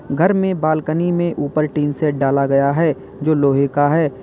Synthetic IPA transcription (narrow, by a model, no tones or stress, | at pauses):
ɡʱɐɾmẽbaːlkənimẽʔuːpəɾʈiːnseʈ̚ɖaːlaɡɐjaɦɛː | d͡ʒoːloːɦɪkaɦɛː